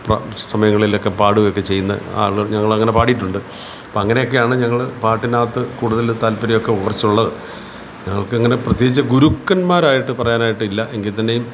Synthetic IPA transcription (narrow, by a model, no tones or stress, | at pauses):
prɐ̰sɐmɐjɐŋːɐɭilokːe̞paːɽuɣɐjokːe̞t͡ɕe̞jːunːɐ̰a̰ːɭːuɣɐɭɲɐŋːɐɭɐŋːɐne̞paːʈijiʈːuɳɖɨ | ɐpoːɐŋːɐne̞jo̞k̬ːe̞jaːɳɨɲɐŋːɐɭpaːʈːinaːt̪ːɨkuːɽuðɐlt̪aːlpɐɾɐjo̞kːe̞uɽɐrt͡ɕːuɭːɐðɨ | ɲɐŋːɐɭkɨɐŋːɐne̞prɐt̪jeit͡ɕːɐɡuɾukːɐnmaːɾaːjiʈːɨpɐrɐjaːnaːjiʈːɨilːɐʔeŋɡilt̪ːɐnde̞jum